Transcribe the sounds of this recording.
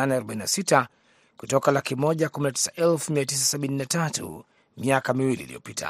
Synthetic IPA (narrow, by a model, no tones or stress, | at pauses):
anɛaɾɔɓaininasita | kutɔkalakimɔʄakuminati̥saʔɛlfumiatis̬asaɓininatatṵ | miakamiwilḭːlijɔpita̰